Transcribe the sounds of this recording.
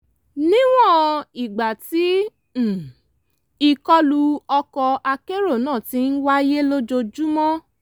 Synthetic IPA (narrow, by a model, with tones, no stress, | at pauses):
nĩ˦w̃ɔ̃˦˨i˨ɡ͡ba˨tĩ˨˦˨ | i˧kɔ˦lu˧ɔ˧kɔ˧a˧ke˦ɾo˦˨nãː˦˨ti˨˦n̩˦wa˦je˦lo˦d͡ʒo˧d͡ʒu˦mɔ̃˦